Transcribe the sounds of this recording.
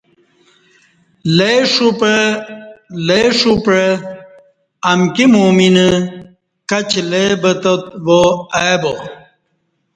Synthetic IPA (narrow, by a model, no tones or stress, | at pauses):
leʂupə | leʂupɾe | ɐmkimuːminə | kɐt͡ɕlebət̪ət̪̚ʋoabo